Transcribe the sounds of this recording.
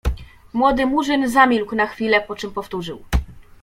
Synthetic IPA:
mwɔd̪ɘmuʐɘnzamʲilknaxfʲilɛpɔt͡ʂɘmpɔft̪uʐɘw

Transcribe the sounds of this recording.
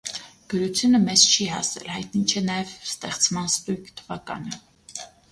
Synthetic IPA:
ɡ̥əɾut͡sʰjunəmɛz̥t͡ʃʰiɦɑ̰sɛ̰lhɑjt̪̚nit͡ʃʰɛnɑjɛvst̪ɛχt͡smɑnst̪ujkt̪ʰəvɑkɑ̰nə

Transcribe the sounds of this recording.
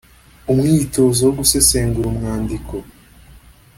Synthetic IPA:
umŋiːto̞ːzawoɡuse̞seːŋɡuɾumŋaːndiko̞

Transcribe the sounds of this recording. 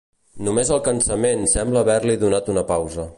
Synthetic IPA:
numezəlˠkənsəmensɛmbləːβɛɾliðunat̪unəpawzə

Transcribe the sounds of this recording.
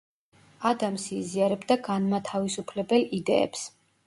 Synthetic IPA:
ad̪amsiːziaɾɛbd̪aɡanmat̪ʰavisupʰlɛbɛlid̪ɛɛ̰ps

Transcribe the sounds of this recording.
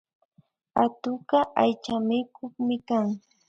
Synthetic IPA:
at̪ʊɢaʔajt͡ʃamɪkʊχmɪkaŋ

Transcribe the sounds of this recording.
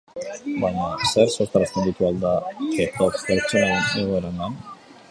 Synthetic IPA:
baɲaseɾsost̪aɾast̪e̞nd̪it̪uald̪aek̪okst̪eɾt͡senaɾeneɣoeɾanan

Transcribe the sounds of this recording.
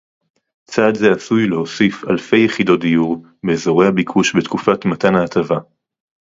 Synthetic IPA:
t͡saːdzeasujleho̞sifalfe̞jːeχido̞t̚dijuʁ | beːzo̞ʁehabikʰuʃbetkufatmatanaːtava

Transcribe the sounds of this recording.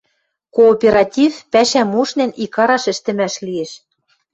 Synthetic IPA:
koːpʲeɾɑt̪ʲifpæʃæmuʃnenikɑɾɑʃɘ̆ʃt̪ɘ̆mæʃlieʃ

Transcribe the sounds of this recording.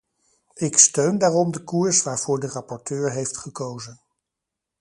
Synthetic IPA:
ɪkstøɥndaːrɔmdəkuɹsʋaːɹv̥ʊːɹdərɑpɔɹtøːɹɦejftχəkowzən

